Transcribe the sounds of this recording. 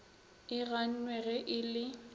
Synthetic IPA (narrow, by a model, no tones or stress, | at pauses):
ɪɣan̩nwɛɣɛʔɪlɪ